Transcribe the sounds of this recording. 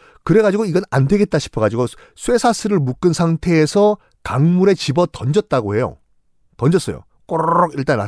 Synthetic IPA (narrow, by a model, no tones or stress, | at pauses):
kɯɾe̞ɡad͡ʑiɡoiɡʌnandwe̞ɡe̞t̚t͈aɕʰi̥pʰʌɡad͡ʑiɡo | sʰwe̞sʰasʰɯɾɯɭmuk͈ɯnsʰaŋtʰe̞ːsʰʌ | kaŋmuɾe̞t͡ɕibʌtʌnd͡ʑʌt̚t͈aɡoɦe̞jo̰ | tʌnd͡ʑʌs͈ʌjo̰ | k͈oɾʌɡiɭt͈ana